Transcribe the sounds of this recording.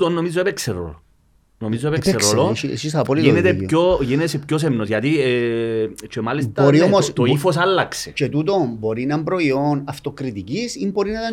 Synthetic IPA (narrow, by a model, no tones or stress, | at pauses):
t̪onːomizːoepekseɾo̰lo | nomizːoepekseɾoloḭsisɐpoliinet̪epçoʝinesepços̬emnosʝɐt̪i | t͡ʃemalest̪boɾiomost̪oifosalːɐkset͡ʃet̪ut̪̬ombo̞ɾinɐmbɾo̞ionɐft̪okɾit̪icisimbo̞ɾinɐt̪a